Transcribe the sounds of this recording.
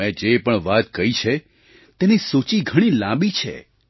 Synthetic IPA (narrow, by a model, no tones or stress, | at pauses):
ɛ̃d͡ʒepəɳʋat̪kəɾit͡ʃʰe | t̪enisot͡ʃiɡʱəɽ̃ilãbit͡ʃʰḛ